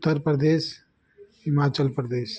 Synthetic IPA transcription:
ʊt̪ːəɾpɾɐd̪eːʃ | ɦɪmaːt͡ʃəlpɾɐd̪eːs

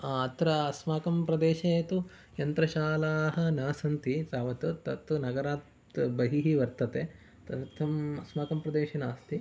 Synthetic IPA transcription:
aɐt̪ɾɐɐsmaːkɐmpɾɐd̪eːʃɐɐt̪u | jɐnt̪ɾɐʃaːlaːɦɐ̆nɐːsɐnt̪it̪aːʋɐt̪ut̪ɐt̪ːunɐɡɐɾaːt̪ | bɐɦiɦiʋɐɾt̪ɐt̪e | t̪ɐt̪ʰɐmɐsmaːkɐmpɾɐd̪eːʃɐnaːst̪i

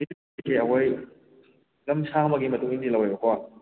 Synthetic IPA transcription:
itu | ikʰeɐwoj | ɡɐmsamɐɡimɐtuŋindilɐwajbɐkʰa

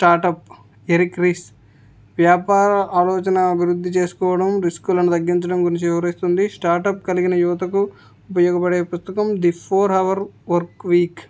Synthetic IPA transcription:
ʈaːɾʈɐp̚ | eɾikɾis | ʋjaːpaːɾɐʔaːlɔːt͡ʃɐnɐːbʱiɾud̪ːit͡ʃe̞ːsu̥kɔːʋɐɽɐmɾiskulɐnut̪ɐɡːiɲt͡ʃɐɽɐmɡuɾiɲt͡ʃiɐɐɾist̪und̪isʈaːɾʈɐp̚kɐliɡinɐjuʋɐt̪ɐkuː | pɐjɔːɡɐpɐɽeːpust̪ɐkɐmd̪ipʰoːɾɐʋɐɾʋɐɾkʋiːk

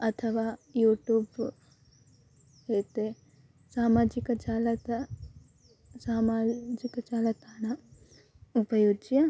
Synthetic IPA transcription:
ɐt̪ʰəʋajuːʈjuːb | ɦeːt̪ | saːmaːd͡ʒɪkt͡ʃaːlɐt̪ | saːmad͡ʒɪkt͡ʃaːlət̪aːna | ʊpɐjoːd͡ʒija

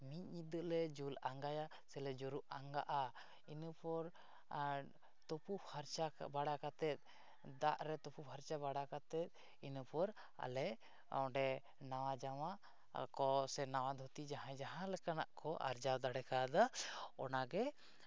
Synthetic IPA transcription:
miɲ̚ɲid̪əlɛd͡ʒulaŋɡaja | sɛlɛd͡ʒɔɾuʔaŋɡaʔa | inupɔɾ | t̪opupʰaɾt͡ʃabaɽakat̪ɛt̪̚ˀ | d̪aʔɾɛt̪ɔpupʰaɾt͡ʃabaɽakat̪ɛt̪̚ | inupɔɾ | a̰lɛ | ɔ̰ɖɛ | nawad͡ʒawa | kɔsɛnawad̪ʱut̪id͡ʒaɦãd͡ʒaɦãlɛkanaʔkɔʔa̰ɾd͡ʒawd̪aɽɛkad̪aɔnaɡɛ

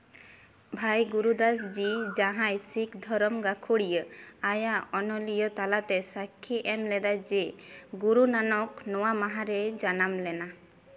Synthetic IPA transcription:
bʱajɡuɾud̪asd͡ʒid͡ʒaɦãjsikd̪ʱɔɾɔmɡakʰoɽijəajaɔnɔlijɔt̪alat̪ɛsakʰːiʔɛmlɛd̪ad͡ʒeɡuɾunanɔknɔwamaɦaɾed͡ʒanamlɛna

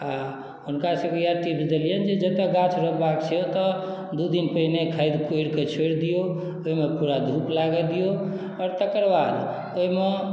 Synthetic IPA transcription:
a | ɦunkasəkejaʈipsd̪elijənd͡ʒed͡ʒət̪eɡãt͡ʃʰɾəbakt͡ʃʰeot̪ɔ | d̪ud̪inpəinekʰaɪd̪kojɽket͡ʃʰoɽd̪ijo | oimepuɾad̪ʱuplaɡɛd̪ijo | ɔɾt̪əkəɾbad̪ | oime

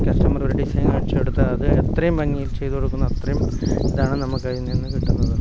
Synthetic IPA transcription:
kʲɐsʈɐmɐrʋɐɾɐɽisɐjɐŋkɐɽit͡ɕːɨpeɽut̪ːɨɐðɨet̪rɐjumpɐŋːiːilt͡ɕe̞jðukoɽukːunːɐɐt̪ːrɐjum | iðaːɳɨnɐmukːɐinːinːɨkiʈːunːɐðɨ

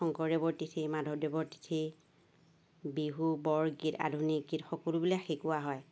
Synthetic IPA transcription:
xɔŋkɔɹdebɔɹtitʰimadʱɔdebɔɹti̥tʰi | biɦubɔɹɡita̰dʱunikɡitxɔkɔlubilaxekuaɦɔj

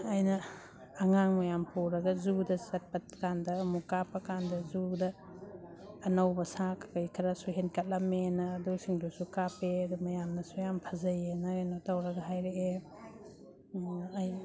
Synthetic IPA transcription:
ajnɐː | ŋaŋmɐjampuwɾɐɡɐzudɐsɐt̚pɐt̚kandɐːmukapɐkandɐzudɐ | nawbɐsakʰkɐjkʰɾɐsuɦenkɐt̚lɐmenɐːdusiŋdusukapeɐdumɐjamnɐsujampʰɐzɐjenɐnotawɾɐɡɐɦajɾee | j

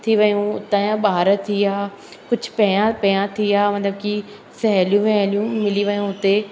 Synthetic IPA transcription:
t̪ʰiʋɐjũʊt̪ãjãɓaːɾt̪ʰiaː | kʊd͡ʑʱʊpɐjãpɐjãt̪ʰiaːmɐ̃t̪ləb̚ki | sɛɦljũʋɛɦlijũmɪliʋɐjũɦʊt̪e

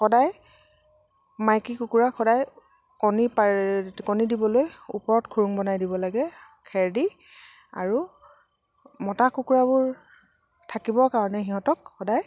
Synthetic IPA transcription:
xɔdaj | majkikukuɹaxɔdaj | kɔnipakɔnidibɔlojṵpɔɹɔtkʰuɹuŋbɔnajdibɔlaɡɛ | kʰɛɹdi | a̰ɹu | mɔtakukuɹabʊɹ | tʰakibɔkaɹɔnɛxiɦɔ̃tɔkxɔdaj

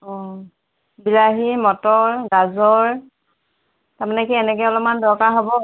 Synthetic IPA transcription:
ɔ | bilaɦimɔtɔɹɡazɔɹ | taɹmanɛkiɛnɛkɛjɔlɔp̚mandɔkaɦobɔ

